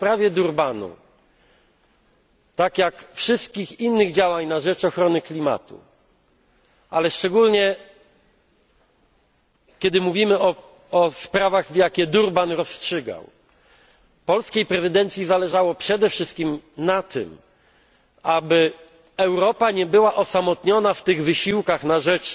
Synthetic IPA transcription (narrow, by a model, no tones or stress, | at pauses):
spɾavʲjɛd̪uɾbanṵ | t̪akʲjakfʂɘst̪̚kʲixinːɘɣd͡ʑawaɲnaʐɛt͡ʂɔxɾɔnɘklʲima̰t̪ṵ | ʔalɛʂt͡ʂɛɡulɲɛ | kʲɛd̪ɘmuvʲimɘɔ | ɔspɾavaɣvjakʲɛd̪uɾbanɾɔstʂɘɡa̰w | pɔlskʲejpɾɛzɨd̪ɛnt̪sʲjizalɛʐawɔpʂɛd̪ɛfʂɘst̪̚kʲimnat̪ɘ̰m | abɘ | ɛwɾɔpaɲɛbɘwaʔɔsamɔt̪ɲɔnaft̪ɘɣvɘɕiwkaxnaʐɛt͡ʂ